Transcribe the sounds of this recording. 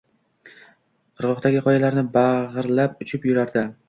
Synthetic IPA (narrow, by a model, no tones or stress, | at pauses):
qʰɨɾʁɒqt̪aɡʲɪqʰɒjalaɾnɪbaʁɨɾlap̚ʊt͡ʃʰɪpjʊɾaɾd̪ɪ